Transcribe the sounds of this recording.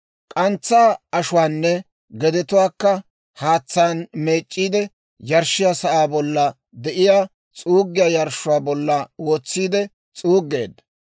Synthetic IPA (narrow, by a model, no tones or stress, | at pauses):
kʼɐnt͡sːaːɐʃʊwaːnːɛ | ɡɛd̪ɛt̪ʊwaːkːɐ | haːt͡sːaːnme̞ːt͡ʃʼːiːd̪ɛ | jɐɾʃɪjaːsɐʔaːbɔlːɐ | d̪ɛʔɪjaː | t͡sʼuːɡːɪjajɐɾʃʊwaːbɔlːɐwoːt͡sːiːd̪ɛ | t͡sʼuːɡːe̞ːd̪ːɐ̥